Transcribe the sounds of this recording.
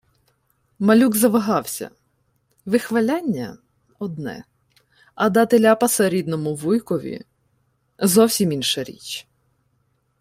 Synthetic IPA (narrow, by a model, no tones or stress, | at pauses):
mɐlʲuɡzɐʋɐɦɑwsʲɐ̰ | ʋɪxʋɐlʲanʲːɐ̰ | ɔd̪nɛ̰ | ɐd̪ɑt̪elʲapɐsɐɾʲid̪nɔmʊʋujkɔʋʲḭ | zɔwsʲiminʃɐɾʲḭt͡ʃ